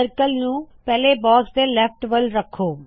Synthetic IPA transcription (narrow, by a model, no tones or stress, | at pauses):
əɾkəlnũ | pɛːlebɔːsd̪elɛfʈʋəlɾɐkʰːoː